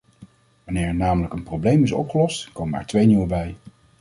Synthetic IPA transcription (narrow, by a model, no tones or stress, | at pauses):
ʋɑnɪːɹɛɹnaːmələkənprowblejmɪsɔ̰pχəlɔstkowməɛ̰ɹtʋejniwəbɛj